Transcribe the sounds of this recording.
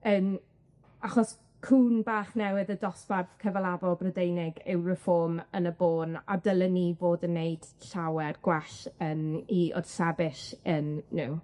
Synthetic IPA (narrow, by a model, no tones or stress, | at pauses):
əm | aχɔs | kʰuːnbaːχnɛwɪðədɔspað̥kʰəvəlˠabɔlˠbrədejnɪɡɪwrəfɔːmənəboːnadəlˠənivoːdənːejd̥ɬawɛrɡ̥waɬəːmiʔɔ̰d̥sɛbɪʃənːɪw